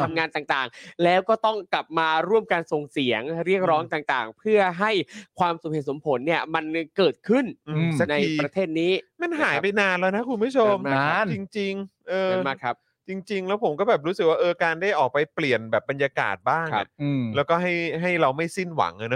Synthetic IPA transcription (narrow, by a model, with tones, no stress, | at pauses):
t̪ʰa˧mŋaː˧nt̪aː˨˩ŋt̪aː˨˩ŋlɛː˦˥wkɔː˥˩t̪ɔ˥˩ŋkla˨˩p̚maː˧ɾu˥˩əmkaː˧nso˨˩ŋsi˩˦əŋɾi˥˩ək̚ɾɔː˦˥ŋt̪aː˨˩ŋt̪aː˨˩ŋpʰɯ˥˩ɐɦa˥˩jkʰwaː˧msu˨˩he˨˩t̪̚so˩˦mpʰo˩˦nːi˥˩ɐma˧nkɤː˨˩t̪̚kʰɯ˥˩nʔsa˧˥na˧ji˧pɾa˧t̪ʰeː˥˩t̪̚niː˦˥ma˧˥˩nɦaː˩˦jpa˧jnaː˧nlaː˧jna˦˥kʰu˧nbu˥˩t͡ɕʰo˧mt͡ɕi˧ŋt͡ɕi˧ŋʔɤː˧maː˦˥˩kʰa˦˥p̚ | t͡ɕi˧ŋt͡ɕi˧ŋlɛː˦˥wpʰo˩˦mkɔː˥˩bɛː˨˩p̚ɾuː˦˥sɯ˨˩k̚waː˥˩ʔɤː˧kaː˧ndaː˥˩jʔɔː˨˩k̚pa˧jpli˨˩ənbɛː˨˩p̚ːba˧njaː˧ka̰ː˨˩t̪̚baː˥˩ŋkŋʰa˦plɛː˦˥wkɔː˥˩ɦa˥˩jɦa˥˩jɾa˧wma˥˩jsi˥˩nwa̰˩˦ŋʔa˧˩nɔ˦